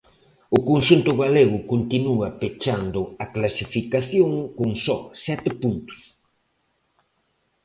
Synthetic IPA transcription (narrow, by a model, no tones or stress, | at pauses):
ʊkonʃunt̪ʊɣaleɣ̞ʊkont̪inuɐpet͡ʃand̪ʊɐklasifikaθjoŋkoŋsɔsɛt̪ɪpunt̪ʊ̥s